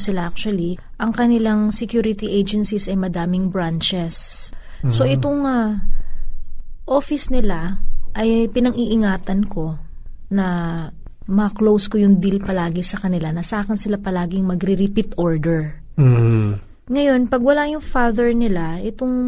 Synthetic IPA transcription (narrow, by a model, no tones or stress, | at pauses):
sɪlaʔak̚t͡ʃʊɐli | ʔɐŋkɐnɪlaŋsɛkjuːɾɪt̪iʔejd͡ʒɛnsisɐjmɐd̪aːmɪŋbɹant͡ʃɛs | sːo̞ʔɪt̪oŋa | ʔoːfɪsnɪlaʔɐjpɪnɐŋʔiʔɪŋaːt̪ɐnko̞ | nɐ | mɐɐklowskojʊŋd̪ilpɐlaːɡɪsɐkɐnɪlanɐsɐaːkɪnsɪlapɐlaːɡɪŋmɐɡɾɪɾɪpɪt̪ʔoɹd̪ɛɹ | ŋɐjo̞npɐɡ̚wɐlajʊŋfaːðɛɹnɪlaʔɪt̪oŋ